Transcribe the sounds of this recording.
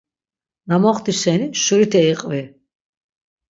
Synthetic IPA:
namɔχt̪isɛniʃuɾit̪ʰɛːqʼvɛ

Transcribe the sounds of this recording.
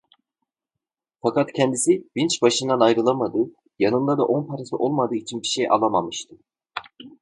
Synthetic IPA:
fakat̪cʰɛnd̪isibint͡ʃbaʃɯnd̪anajɾɯlˠamad̪ɯː | janɯnd̪ad̪aʔo̞npʰaɾasɯʔo̞lˠmad̪ɯːit͡ʃʰinbiʃejʔa̰lˠamamɯʃt̪ʰɯ

